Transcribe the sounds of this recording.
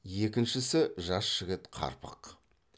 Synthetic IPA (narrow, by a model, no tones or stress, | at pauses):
je̞kʲɪnʃɪsɪʒɑsʒɪɡʲɪt̪qʰɑ̰ɾpə̰q